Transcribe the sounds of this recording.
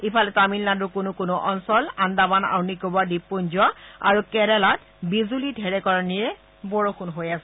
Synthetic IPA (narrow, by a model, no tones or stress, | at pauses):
ipʰalɛtamilnadʊkʊnʊkʊnʊʔɔnsɔlandabana̰wnikobadipːunzɔa̰ɹukɛɹɛlat̚ | bizulidʱɛɹɛkɔɹanijɛ | bɔɹokʰʊnɦojasɛ